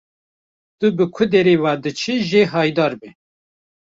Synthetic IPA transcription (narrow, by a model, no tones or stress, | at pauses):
t̪ɨbɨkʷʰʊd̪ɛɾeːwɑːd̪ɨt͡ʃʰɨʒeːɦɑːjd̪ɑːɾbɛ